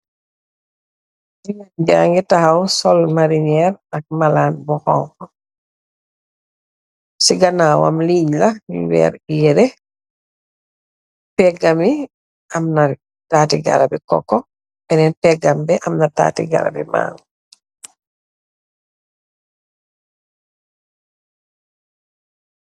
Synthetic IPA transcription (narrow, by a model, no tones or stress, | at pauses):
iŋand͡ʒaŋɡɛtahawsɔlmaɾiɲɛɾak̚malaːnbɔhɔ̰ŋkɔ | siɡanaːwa̰mliːɲlaḭwɛ̰ːɾiɛɾɛ | pɛɡami | ʔɐmna | taːtiɡa̰ɾabikɔ̰kːɔ | bɛnɛnpɛɡambɛʔɐmnata̰ːtḭɡa̰ɾa̰bima̰ːŋ